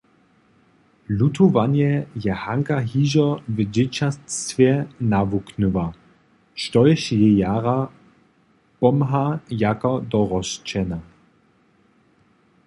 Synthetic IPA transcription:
lut̪ʰuvanjɛjɛhaŋkaɦiːʒɔvəd͡ʑɪt͡ɕastvjɛnavuknuva | ʃtɔjʃjɛjaːʁa | pɔmɦajakɔd̪ɔʁɔʃt͡ʃɛna

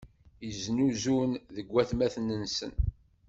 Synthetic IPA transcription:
jəznuzunðəɡʷːæθmæθnənsə̰n

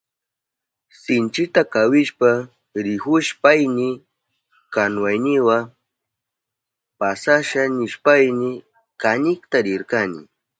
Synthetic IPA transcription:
sɪnt͡ʃɪt̪akawɪʃpa | ɾɪhʊʃpajnɪ | kanwajnɪwa | pasaʃanɪʃpajnɪ | kanɪkt̪aɾɪɾkanɪ̰

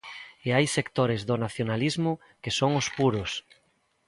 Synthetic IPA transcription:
eajsekt̪oɾezðʊnaθjonalizmʊ | kesoŋʊspuɾʊs

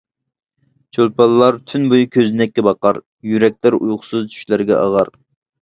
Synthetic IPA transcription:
t͡ʃʰolˠpɑlˠːɑɾt̪ʰynbujukʲʰøzɪnɛkʲːɛbɑqɑɾ | jyɾɛk̚ʲlɪɾujχʊ̥sɨzt͡ʃʰy̥ʃlæɾɡʲɛ̰ʔɑ̰ʁɑɾ

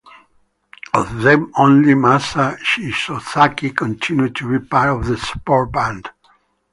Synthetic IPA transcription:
əvðɛ̃mõnlimasaʃisoθakikʰə̃ntʰɪ̃njud̚tʰuɹipaɹɔvðəspɔɹbæ̃nd̥

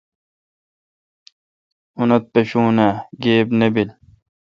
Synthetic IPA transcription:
unɐt̪̚peɕuːnaːɡeːbnebil

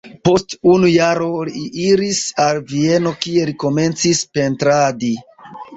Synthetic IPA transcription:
po̞stunujaɾoliiʔiɾisalvie̞no̞kie̞liko̞me̞nt͡sispe̞ntɾadi

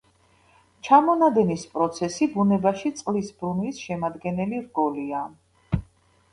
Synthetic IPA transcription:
t͡ʃʰamɔnad̪ɛnispʼɾɔt̪sʰɛsibunɛbaʃit̪sʼqʼlisbɾunvisʃɛmad̪ɡɛnɛliɾɡɔlia

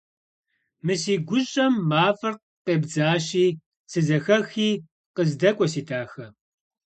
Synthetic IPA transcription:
mɨsiːɡʷʊɕʼɐmːaːfɨrq | qeːbd͡zaːɕiː | sɨzɐxɐxiː | qəzdɐkʷʼɔsiːtʰaːxɐ

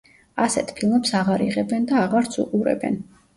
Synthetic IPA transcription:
asɛt̪ʰpʰilˠmɛpsaʁaɾiʁɛbɛnd̪aːʁaɾt̪sʰṵqʼuɾɛ̰bɛ̰n

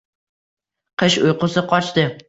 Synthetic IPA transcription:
qʰɨʃʊjqʊsɪqʰɒt͡ʃt̪ɪ

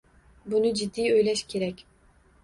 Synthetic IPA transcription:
bunud͡ʒid̪ːiːjøjlʲɛʃkʲʰeɾɛkʲ

